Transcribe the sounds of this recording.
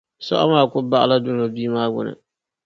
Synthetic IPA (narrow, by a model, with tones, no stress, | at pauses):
sɔ̰˦ʔa̰˦maː˨kʊ˦ba˦ʔa˨la˦dʊ˦na˨biː˦maː˦ɡʷʊ̰˨na̰˨